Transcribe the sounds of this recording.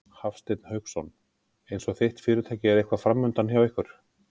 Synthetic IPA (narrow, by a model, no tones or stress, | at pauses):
hafst̪ejt̪nhœɥxsɔn | ejnsɔɣθejht̪fɪːɾʏt̪ʰaːjcɪɛɾejhkvafɾamːʏnt̪ançjawɪhkʏɾ̥